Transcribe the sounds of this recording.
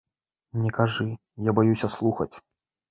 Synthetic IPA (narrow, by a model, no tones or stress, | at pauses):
nʲɛkaʐɨ | jabajusʲɐslˠuxɐt͡sʲ